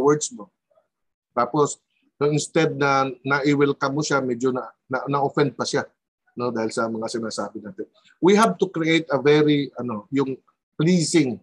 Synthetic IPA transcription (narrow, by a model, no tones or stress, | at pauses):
wɛɹd̪smo | t̪aːpos | noʔɪnst̪ɛd̪̚nɐnɐʔɪwɪlkɐmoʃamɛd͡ʒonɐ | nɐnɐʔofɛnd̪̚pɐʃa | no̞d̪aːhɪlsɐmɐŋasɪnaːsaːbɪnaːt̪ɛn | wiɦɐb̚t̪ʊkɹiʔejt̪ɐvɛɾiʔɐno̞jʊŋ | pliːsɪŋ